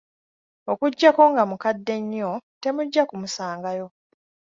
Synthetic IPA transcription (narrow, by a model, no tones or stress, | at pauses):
okuɟːako̞ŋɡamukadːe̞ɲːo̞te̞muɟːakumusaːŋɡajo̞